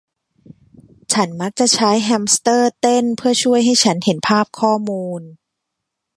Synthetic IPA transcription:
t͡ɕʰa˦˥nma˦˥k̚t͡ɕa˨˩ʔt͡ɕʰa˦˥jɦɛ˧˥mst̪ɤː˥˩t̪e˥˩npʰɯ˥˩ɐt͡ɕʰu˥˩əjɦa˥˩jt͡ɕʰa˦˥nhe˩˦npʰaː˥˩p̚kʰɔː˥˩muː˧n

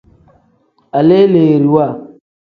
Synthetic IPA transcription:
a˨le˦leː˨ɾi˨wa˦˨

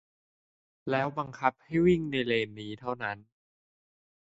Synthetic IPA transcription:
lɛː˦˥wba˧ŋkʰa˦˥p̚ha˥˩jwi˥˩ŋna˧jleː˧mniː˦˥t̪ʰa˥˩wna˦˥n

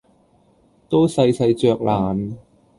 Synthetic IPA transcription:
t̪o˥wsɐ˧jsɐ˧jt͡ʃœː˧k̚laː˨˩n

